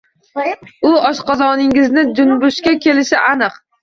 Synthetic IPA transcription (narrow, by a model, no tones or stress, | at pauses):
ʊɒʃqɑzɒnɪŋɪznɪd͡ʒʊnbʊʃkʲakʲʰe̞lɪʃɪʔanɨq